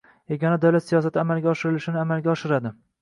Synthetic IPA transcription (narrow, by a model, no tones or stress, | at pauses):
eɡʲɒnad̪awlat̪sijɒsat̪ʰɪamalɡʲaɒʃɪɾɪlɪʃɪnɪamalɡʲaɒʃɪɾad̪ɪ